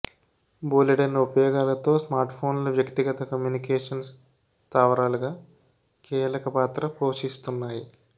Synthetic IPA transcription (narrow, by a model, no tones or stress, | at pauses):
buːleʈɐnupɐjɔːɡaːlɐt̪o̞ːsmaːɾʈpʰo̞ːnlɐʋjɐkt̪iɡɐt̪ɐkɐmjuːnikɛːʂɐns | st̪aːʋɐɾaːluɡaː | kiːlɐkɐpaːt̪ɾɐpoːʃist̪unːaːji